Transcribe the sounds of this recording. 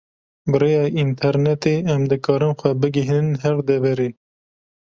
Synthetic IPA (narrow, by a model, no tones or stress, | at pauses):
bɨɾeːjɑːʔint̪ʰɛɾnɛt̪eːɛmd̪ɨkʰɑːɾɨnxʷɛbɨɡiɦnɨnɦɛɾd̪ɛvɛɾeː